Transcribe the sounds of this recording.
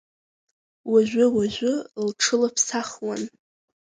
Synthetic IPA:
waʒʷᶣʊwaʒʷʊlʈ͡ʂʰɨlapʰsaχwan

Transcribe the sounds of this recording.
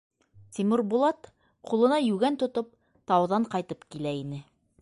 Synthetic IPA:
t̪ʲimuɾbulˠɑt̪ | qulˠɤ̆nɑjʉɡænt̪ŏt̪ɤp̚ | t̪ɑwðɑɴqɑjt̪ɤpkilæinɘ

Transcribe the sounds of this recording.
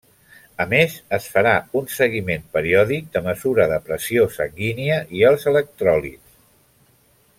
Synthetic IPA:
əmezəsfəɾaunsəɣimempəɾiɔðik̚d̪əməzuɾəðəpɾəsiosə̰ŋɡiniəʔiəlˠzələk̚t̪ɾɔlḭs

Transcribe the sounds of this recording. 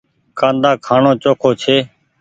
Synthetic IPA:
kãːnd̪aːkʰaːɳõːt͡ʃoːkʰoːt͡ʃʰeː

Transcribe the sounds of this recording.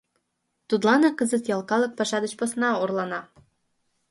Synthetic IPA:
t̪ut̪lɑnɤkəzə̆t̪jɑlˠkɑlə̆k̚pɑʃɑd̪ət͡ɕposnɑorlɑnɑ

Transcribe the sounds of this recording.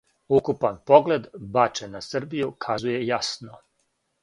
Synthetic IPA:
ukupanpo̞ɡle̞d̪bat͡ʃenasr̩bijukʰazuje̞jasno

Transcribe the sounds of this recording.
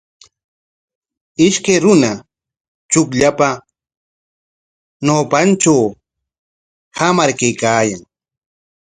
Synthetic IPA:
ɪʃkajɾʊna | t͡ʃʊkʎapa | noːpant͡ʃaw | hamaɾkajkaːjaŋ

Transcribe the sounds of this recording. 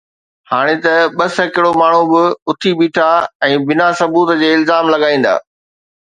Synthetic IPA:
haːɽ̃et̪ɐɓɐsəkɪɽomaːɳ̤ubɪʊt̪ʰiɓiːʈʰaɛ̃ːbɪnasɐbuːt̪d͡ʑeːɪlzaːmlɐɠaːĩːn̆d̪a̰ː

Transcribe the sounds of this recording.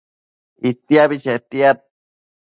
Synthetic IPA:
it̪iabit͡ʃet̪iat̪̚

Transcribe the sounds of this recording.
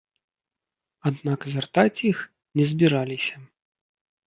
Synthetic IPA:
ad̪nakvʲart̪at͡sʲix | nʲɛzʲbʲiɾalʲisʲɐ

